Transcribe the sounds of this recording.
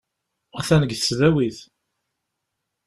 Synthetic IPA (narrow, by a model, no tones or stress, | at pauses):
æθænəɡθəsðæwiθ